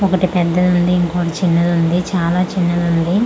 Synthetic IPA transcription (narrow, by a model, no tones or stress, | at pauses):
ɔkɐʈipɛd̪ːɐlund̪iːŋkoːʋɽit͡ʃinːɐlund̪it͡ʃaːlaːt͡ʃinːɐlund̪i